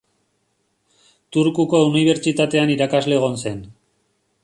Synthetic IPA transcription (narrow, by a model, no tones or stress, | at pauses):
t̪uɾkuko̞uniβ̞e̞ɾt͡ʃit̪at̪e̞aniɾakazle̞ːɣ̞o̞nse̞n